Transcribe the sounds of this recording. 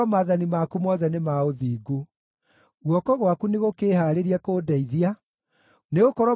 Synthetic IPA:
ɔmaːðanimakumɔðɛnemaoðiːɡu | ɣwɔkɔɣwakuneɣokeːhaːɾeɾiakoːdaiðia | neɣokɔɾɔ

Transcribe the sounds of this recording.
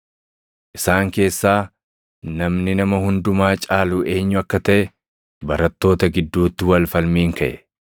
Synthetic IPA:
ʔɪsaːŋke̞ːsːaː | nɐmnɪnɐmɐhʊnd̪ʊmaːt͡ʃʼaːluːʔe̞ːɲːʊɐkːɐt̪ɐʔɛ | bɐɾɐt̪ːo̞ːt̪ɐɡɪd̪ːuːt̪ːɪwɐlfɐlmiːŋkɐʔɛ

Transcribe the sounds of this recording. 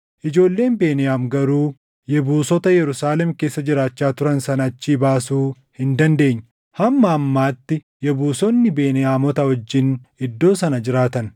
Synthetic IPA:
ʔɪd͡ʒo̞ːlːe̞ːnbe̞ːnɪjaːmɡɐɾuː | jɛbuːsɔt̪ɐjɛɾʊsaːlɛmke̞ːsːɐd͡ʒɪɾaːt͡ʃːaːt̪ʊɾɐnsɐnɐt͡ʃːiːbaːsuː | hɪnd̪ɐnd̪e̞ːɲːɪ | hɐmːɐːmːaːt̪ːɪ | jɛbuːsɔnːɪbe̞ːnɪjaːmɔt̪ɐhɔd͡ʒːɪnɪd̪ːo̞ːsɐnɐd͡ʒɪɾaːt̪ɐn

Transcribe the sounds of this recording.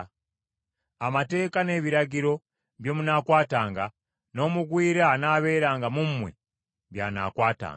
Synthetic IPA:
amate̞ːkane̞βiɾaɟiɾo̞ | βjo̞ːmunaːkwaːtaːŋɡa | no̞ːmuɡwiːɾeanaːβe̞ːɾaːŋɡamummwḛ | βjana̰ːkwaːta̰ːŋɡ

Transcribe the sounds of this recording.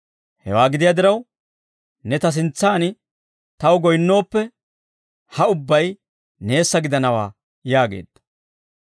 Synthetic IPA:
hɛ̰waːɡɪd̪ɪjad̪ɪɾɐw | nɛt̪ɐs̬ɪnt͡sːaːnɪ | t̪ɐwɡɔjnːo̞ːpːɛ | hɐʊbːɐj | ne̞ːsːɐɡɪd̪ɐnɐwa̰ː | jaːɡe̞̰ːd̪̥ːɐ̥

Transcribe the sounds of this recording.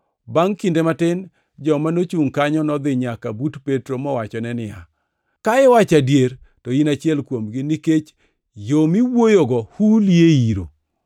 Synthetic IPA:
baŋkindematɪn | d͡ʒɔmanot͡ʃuŋkaɲɔnɔd̪ɪɲakabutpetɾomɔwat͡ʃɔnɛnɪja̰ | kaɛwat͡ʃadjeɾ | tɔinat͡ʃjɛlkwomɡɪniket͡ʃ | jomiwojoɡɔhuljeiɾo̰

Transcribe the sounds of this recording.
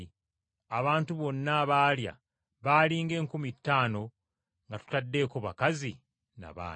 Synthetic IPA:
aβaːntuβo̞nːaβaːlja̰ | βaːliːŋɡe̞ːŋkumitːaːno̞ | ŋɡatu̥tadːe̞ːko̞βakazi | na̰βa̰ː

